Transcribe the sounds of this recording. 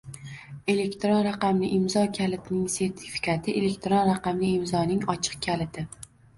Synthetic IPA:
e̞le̞kʲt̪ɾonɾaqɑmlɪʔɪmzɒkʲʰalɪt̪ʰnɪŋse̞ɾt̪ʰɪ̥fi̥kʲʰat̪ʰɪʔe̞le̞k̚ʲt̪ɾonɾaqɑmlɪɪmzɒnɪŋɒt͡ʃʰɨ̥q̚kʲʰalɪt̪ʰɪ

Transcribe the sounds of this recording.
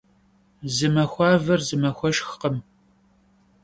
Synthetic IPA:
zɨmɐxʷɑːvɐrzɨmɐxʷɔʃxqəm

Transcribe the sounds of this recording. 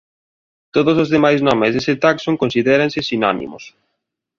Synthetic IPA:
t̪oðos̬ozðemajznɔmezðeset̪aksoŋkonsiðɛɾansɪsina̰nḭmʊ̰s

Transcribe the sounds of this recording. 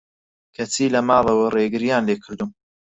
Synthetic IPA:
kʰɐt͡siːlɐmɑːlˠɐwɐreɡɨɾijaːnleːkʰɨɾd̪um

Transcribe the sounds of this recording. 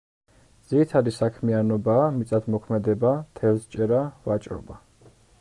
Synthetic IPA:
dd̪z̥it̪ʰad̪isakʰmianɔbaːmit̪sʼat̪ʰmɔkʰmɛd̪ɛbat̪ʰɛlst͡ʃʼɛɾavat͡ʃʼɾɔ̰ba

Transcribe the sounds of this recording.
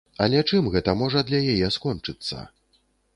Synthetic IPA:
ɐlʲɛt͡ʂɨmɣɛt̪ɐmɔʐɐd̪lʲɐjajɛskɔnt͡ʂɨt̪sːɐ̰

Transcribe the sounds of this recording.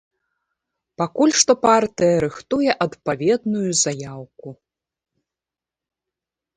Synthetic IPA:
pakulʲʂt̪ɔpart̪ɨjɐɾɨxt̪ujɛʔɐt̪pavʲɛd̪nujuzajawku

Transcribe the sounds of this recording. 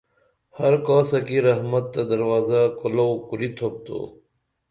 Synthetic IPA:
hɐɾkaːsɐkiɾɐɦmɐt̪ːɐd̪ɐɾwaːzakʊlokuɾit̪ʰop̚t̪o̰ː

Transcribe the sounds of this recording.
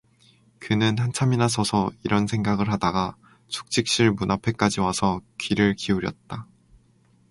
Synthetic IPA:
kɯnɯnhant͡ɕʰaminasʰʌsʰʌiɾʌnsʰe̞ŋɡaɡɯɭɦadaɡa | t͡ɕʰu̥k̚t͡ɕ͈ʰik̚ɕ͈iɭmunʔapʰe̞k͈ad͡ʑiwasʰʌkɥiɾɯɭkiuɾjʌ̰t̚t͈a

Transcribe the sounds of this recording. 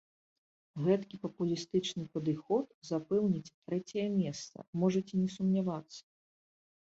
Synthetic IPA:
ɣɛt̪kʲipɐpulʲist̪ɨt͡ʂnɨpɐd̪ɨxɔt̪zapɛwnʲit͡sʲt̪ɾɛt͡sʲɛjɐmʲɛst̪sɐ̰mɔʐɐt͡sʲinʲɛsumnʲavat̪sːɐ̥

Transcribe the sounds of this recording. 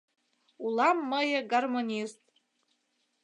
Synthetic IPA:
ulamːajeɡarmonʲistʼ

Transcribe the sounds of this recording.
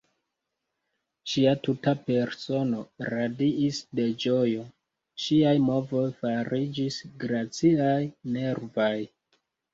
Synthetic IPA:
ʃiatutape̞ɾso̞no̞ɾadiisde̞d͡ʒo̞jo̞ | ʃiajmo̞vo̞jfaɾid͡ʒisɡɾat͡siajne̞ɾvaj

